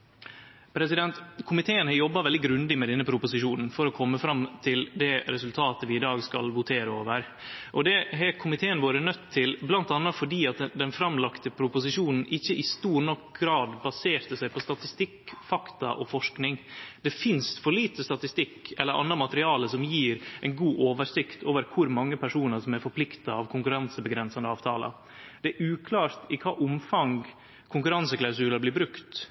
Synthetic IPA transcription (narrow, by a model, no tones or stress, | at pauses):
pʰɾɛsɪd̪ɛnt̪kʰʊmɪt̪ʰeːənhɑjɔbːɑʋɛld̪ɪɡɾʉnd̪ɪmɛd̪ɛnːəpʰɾʊpʊsɪʃuːnn̩fɔɾɔkʰɔmːəfɾɑmt̪ʰɪld̪ɛɾɛsʉlt̪ʰɑːt̪əʋɪɪd̪ɑːɡskɑ̰lʋʊt̪ʰeːɾəoːʋəɾ | ʔɔd̪ɛɦɛkʰʊmɪt̪ʰeːənʋoːɾənœt̪ʰːɪlblɑnt̪ɑnːɑfɔɖiːɑt̪d̪ɛnfɾɑmlɑkt̪əpʰɾʊpʊsɪʂuːnn̩ʔɪçːəʔɪst̪uːɾnɔkɡɾɑːd̪bɑseːɾt̪əsæɪpʰɔst̪ɑt̪ɪst̪ɪkfɑkt̪ɑ̰ʔɔfɔʂknɪŋd̪̥ɛfɪnst̪fɔɭiːt̪əst̪ɑt̪ɪst̪ɪkːɛlːəɾʔɑ̰nːɑmɑt̪əɾɪɑːləsɔmjiːɾæɪnɡuːʔoːʋəʂɪkt̪ʰoːʋəɾkʰʊɾmɑŋːəpʰæʂuːnəɾsɔmæɾfɔɾpʰlɪkt̪ɑɑʋkʰʊŋkʉɾɑnsəbəɡɾɛnsɑnəɑːʋt̪ʰɑ̰ːlɑ̰ | d̪̥ɛæɾʔʉːkʰlɑːɾt̪ɪkʰɑ̰ːʔʊmfɑŋ | kʰʊŋkʉɾɑnsəklaʉs̬ʉːləblɪːbɾʉkt̪